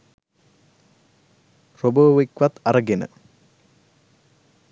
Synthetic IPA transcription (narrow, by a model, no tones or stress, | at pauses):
roboːʋikʋat̪ɐɾəɡenə̰